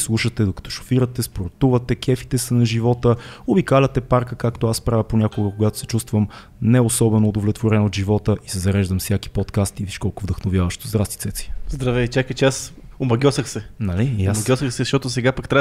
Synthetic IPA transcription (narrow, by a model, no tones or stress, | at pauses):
slˠuʃət̪ɛd̪okɐ̥t̪ɔ̥ʃo̥fiɾət̪ɛspoɾt̪uvət̪ɛkɛfi̥t̪ɛsənɐʒivɔt̪əobikalʲɐt̪ɛpaɾkəkakt̪oaspɾavʲjəponʲɲʲakoɡəkoɡat̪o̥sɛ̥t͡ʃust̪vəm | nɛosɔbɛnoːd̪ovlɛt̪voɾɛnod̪ʒivɔt̪əʔisɛzɐɾɛʒd̪əmfsjak̟i̥pɔt̪kast̪iviʃkɔlˠkovd̪əxnovjavəʃt̪ozd̪ɾast̪i̥t̪sɛt̪si̥zd̪ɾɐvɛt͡ʃakət͡ʃɛas | omɐɡʲɔsəxsɛnɐlijamɐɡʲɔsəxsɛzɐʃt̪ɔt̪osɛɡapɐkt̪ɾa